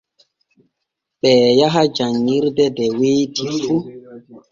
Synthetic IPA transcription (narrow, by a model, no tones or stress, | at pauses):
ɓɛːjaɦad͡ʒaŋːiɾdɛdɛweːdifu